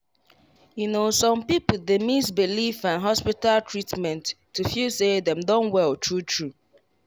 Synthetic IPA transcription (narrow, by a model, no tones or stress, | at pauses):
junosɔ̃mpipʊdemisbilifãnɦɔspitaltɹitmɛ̃ntːufjusedɛ̃mdõnwɛltʰɹutʰɹu